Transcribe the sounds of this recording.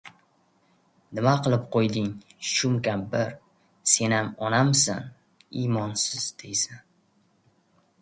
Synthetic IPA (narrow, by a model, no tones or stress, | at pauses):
nɪmaqʰɨlˠɪp̚qʰojd̪ɪŋʃʊmkʲambɪɾ | se̞namɒnamsa̰n | imɒnsɪz̥d̪ejsan